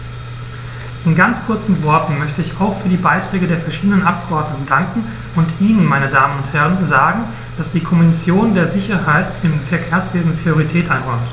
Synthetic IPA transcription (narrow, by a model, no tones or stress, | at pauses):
ʔɪnɡant͡skʰʊɐt͡sn̩vɔɐtn̩mœçtəɪçaʊxfyːɐdiːbaɪtʁ̥ɛːɡədeːɐfɛɐʃiːdənənʔap̚kəʔɔɐdnʊtŋ̩daŋkŋ̩ | ʔʊntʔiːnənmaɪnədaːmənʊnthɛʁ̞ənzaːɡŋ̩ | d̥asd̥iːkʰɔminɪsjoːndeːɐzɪçɐɦaɪtd̥ɪmfɛɐkʰeːɐsv̥eːzn̩pʁ̥ioʁ̞itʰɛːtʔaɪnʁɔɐmt